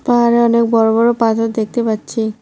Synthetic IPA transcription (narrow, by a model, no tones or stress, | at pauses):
paɦaɾeɔnek̚bɔɾobɔɾopat̪ʰot̪d̪ek̚t̪epatːɕʰi